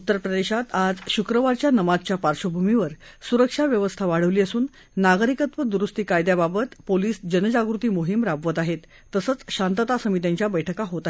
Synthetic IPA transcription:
ut̪ːəɾpɾəd̪eɕat̪ad͡zɕukɾəʋaɾt͡ɕjanəmad͡zt͡ɕjapaɾɕəbʱumiʋəɾsuɾəkʂaʋjəʋəst̪ʰaʋaɽ̤əʋliːəsuːnː | aɡɾikət̪ʋəd̪uɾust̪iːkajd̪jababət̪poliːsd͡ʑənəd͡ʑaɡɾut̪iːmoɦimɾabʋət̪aɦet̪ːəsət͡sɕant̪ət̪asəmit̪jãɲt͡ɕjabəjʈʰəkaɦot̪a

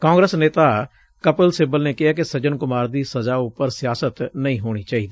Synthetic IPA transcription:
kãːŋɡɾəsneːt̪aː | kəpəlseːbəlneːkɪɦaːkɪsəd͡ʒənkʊmaːɾd̪iːsəzaːʊpəɾsɪjaːsət̪nəĩːɦoːɽ̃iːt͡ʃaːiːd̪iː

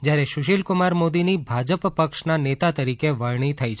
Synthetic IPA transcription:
d͡ʒjaɾeʃʊʃilkʊmaɾmod̪inibʱad͡ʒəppəkʃnanet̪at̪əɾikeʋəɭɳ̃it̪ʰəjt͡ʃʰ

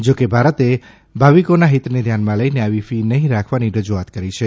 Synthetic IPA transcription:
d͡ʒokebʱaɾət̪e | bʱaʋikonaɦit̪ned̪ʱjanmãləjneaʋifinəɦĩɾakʰʋaniɾəd͡ʒuat̪kəɾit͡ʃʰe

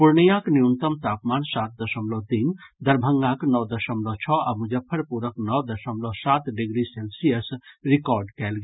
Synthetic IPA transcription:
puɾnijãkniunt̪əmt̪apmaːnsat̪̚d̪əsəmlɔt̪ind̪əɾbʱəŋɡaknɔwd̪əsəmlɔt͡ʃʰɔamud͡ʒəpʰːəɾpuɾəknɔwd̪əsəmlɔsat̪ɖiɡɾiselsiəsɾikɔɾɖkɛlɡe

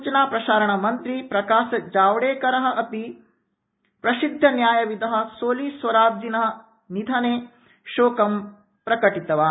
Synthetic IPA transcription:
t͡ʃɐnaːpɾɐʃaːɾɐɳɐmɐnt̪ɾipɾɐkaːʃɐd͡ʒaːʋɽeːkɐɾɐɦɐ̆ʔɐp̪i | pɾɐsid̪ʱːɐnjaːjɐʋid̪ɐɦɐ̆soːlisʋɐɾaːd͡ʒd͡ʒinɐɦɐ | nid̪ʱɐneː | ʃoːkɐm | pɾɐkɐʈit̪ɐʋaː

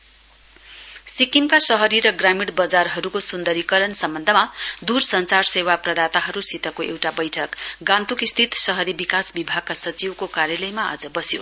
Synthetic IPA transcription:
sikimkasʌɦʌɾiɾʌɡramiɽbʌd͡zarɦʌɾukosund̪ʌɾikʌɾʌnsʌmbʌnd̪ʱʌmad̪ursʌnt͡sarsewaprʌd̪at̪aɦʌɾusit̪ʌkoʔewʈabʌjʈʰʌkɡãnt̪ukist̪ʰit̪sʌɦʌɾibikasbibʱaɡ̚kasʌt͡sibkokaɾjʌlʌjmaa̰d͡zʌbʌsjo̰

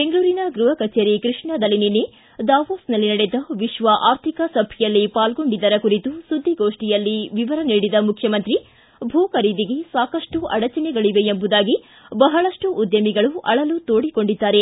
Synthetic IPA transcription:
beŋɡɐɭuːɾinɐɡɾuɦɐkɐt͡ʃeːɾikɾiʂɳɐd̪ɐlːininːe | d̪aːʋoːsnɐlːinɐɽed̪ɐʋiʃʋɐʔaːɾt̪ʰikɐsɐbʱɐjɐlːipaːlɡo̞ɳɖid̪ɐɾɐkuɾit̪usud̪ʱːiɡoːʂʈijɐlːiʋiʋɐɾɐniːɽid̪ɐmukʰjɐmɐnt̪ɾi | bʱuːkɐɾid̪iɡe̞saːkɐʂʈuʔɐɽɐt͡ʃɐnɛɡɐɭiʋe̞embud̪aːɡi | bɐɦɐɭɐʂʈuʔːd̪jɐmiɡɐɭuʔɐɭɐlut̪oːɽiko̞ɳɖid̪ːaːɾe̞

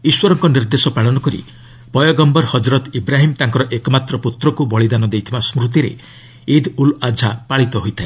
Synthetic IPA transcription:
iswɔɾɔŋkɔniɾd̪esɔpaɭɔnɔkɔɾḭ | pɔjɔɡɔmbɔɾhɔd͡ʒɾɔt̪ibɾaɦimt̪aŋkɔɾɔʔekɔmat̪ɾɔput̪ɾɔkubɔɭid̪anɔd̪ejt̪ʰibasmɾut̪̬iɾḛ | id̪ulad͡ʒʱapaɭit̪ɔɦojt̪ʰae

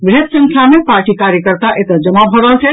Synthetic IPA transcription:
ʋiɦət̪sə̃ŋkʰjamẽpaːɾʈikaːɾjəkəɾt̪aʔet̪əd͡ʒɐmabʱəɾəlt͡ʃʰe

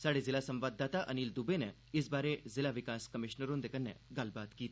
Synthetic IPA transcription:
saːɽezɪlasə̃mʋaːd̪ːaːt̪aʔəniːld̪ubene | ɪsbaːɾezɪlaʋɪkaːskəmɪʃnəɾʊ̃nd̪ekənːḛɡɐlbaːt̪kiːt̪i

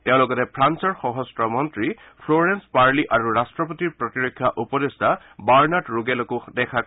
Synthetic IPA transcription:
teʊ̃lɔɡɔtɛpʰɹansɔɹxɔɦɔstɹɔmɔntɹi | pʰloɹenspaɹliʔaɹuɹastɹɔp̬ɔtiɹpɹɔtiɹɔkʰːjaʔupɔdestʰa | baɹnaʈɹuɡɛlɔkudɛkʰa

